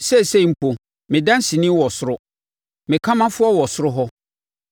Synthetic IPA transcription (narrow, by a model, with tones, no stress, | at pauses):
sɛ˦˨sɛ˦˨m̩˨pʰo˨ | mɪ̃˨dã˦n̩˦si˨nɪ̃˦wɔ˨sʊ˦ɾʊ˦ | mɪ̃˨kʰã˦mã˦fʊ˦ɔ˦wɔ˨sʊ˦ɾʊ˦ɦɔ˦